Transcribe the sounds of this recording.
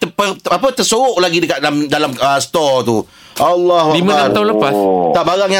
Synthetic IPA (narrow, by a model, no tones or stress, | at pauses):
t̪əpəapət̪əsoʊʔlaɡidəkat̪̚damdalaməsə̥t̪ɔt̪u | ʔalːɑɦualikmãaaaɦunləpast̪aʔbaɾaŋja